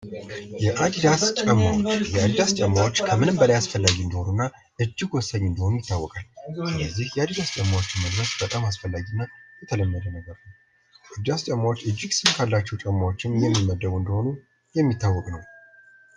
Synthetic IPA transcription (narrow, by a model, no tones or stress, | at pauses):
jɛʔad̪d̪ast͡ʃʼəmːawot͡ʃːjɛad̪ɨd̪ast͡ʃʼəmːawo̞t͡ʃːkʰəmɨnɨmbəlajasfəlːaɡiɨnd̪iho̞nunːa | ʔɨd͡ʒːɪɡwɔsːəd̪ɨnd̪əho̞nujɪt̪ːawːɔkʼalsɨləzːihjɛad̪ɨd̪ast͡ʃʼəmːawot͡ʃːɪnməd̪ɾəsbət̪ʼamasfəlːaɡiɨnːajɛt̪ʰələmːəd̪ənəɡəɾnəw | ʔɨd̪d̪ast͡ʃʼəmːawot͡ʃːɨd͡ʒːɪɡsɨmkʰalːat͡ʃːɛwt͡ʃʼɛmːawo̞t͡ʃːɪmjɛmːiməd̪ːəβuɨnd̪əho̞nu | jɛmːit̪ʰːawːɔkʼnəw